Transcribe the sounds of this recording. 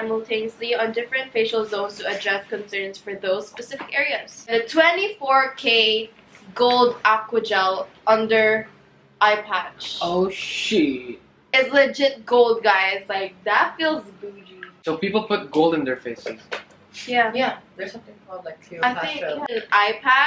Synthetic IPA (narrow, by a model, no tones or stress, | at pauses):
saɪməl̩ˠtʰẽnəsliə̃ndɪfɹɨ̃ntfeɪʃl̩ˠzõʊ̃nz̥tuɨdɹɛskɨ̃nsɜ̃˞nz̥fə˞ðoʊz̥spɛsɪfɪkɛɹiɨz̥nðɨtʰwɛ̃ntifɔɹkʰeɪ | ɡoʊlˠdækwɨd͡ʒɛlˠʌ̃ndə˞ | ʔaɪpʰæd̥t͡ʃoʊʃi | ɪzlɛd͡ʒɪt̚ɡoʊlˠd̚ɡaɪɪzlaɪk̚ðətfilˠzbuɾisoʊpipl̩ˠpʰʊt̚ɡoʊlˠdɨ̃nðə˞feɪsɨz̥ | jæjæðə˞sʌ̃mθɪ̃ŋkʰɔlˠdlaɪkaɪθɪ̃ŋkaɪpʰæ